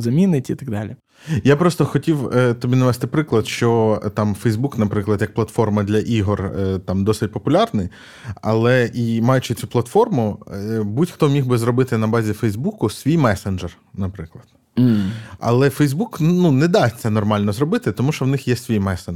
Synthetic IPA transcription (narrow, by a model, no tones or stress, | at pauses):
zɐmʲinɪtʲit̪ɐɡd̪ɑlʲɪ | japɾɔst̪ɔxɔtʲiwət̪ɔbʲinɐʋɛst̪ɪpɾɪklˠɐd̪ʃt͡ʃɔt̪ɑmfɛjzbuknɐpɾɪklˠɐd̪jɐk̚plˠɐt̪fɔrmɐd̪lʲɐʔiɦɔrt̪ɑmd̪ɔsɪt̚ʲpɔpʊlʲɑrnɪj | ɐ̰lˠɛʔimɑjʊt͡ʃɪt͡sʲuplˠɐt̪fɔrmʊbutʲxt̪ɔmʲixbɪzɾɔbɪt̪ɪnɐbɑzʲifɛjzbukʊsʲʋʲijmɛsend͡ʒɛr | nɐpɾɪklˠɐd̪̥̩ | ɐ̰lˠɛfɛjzbuknunɛd̪ɑsʲt̪ʲsɛnɔrmɑlʲnɔzɾɔbɪt̪ɪt̪ɔmuʃt͡ʃɔwnɪxjɛsʲʋʲijmɛsen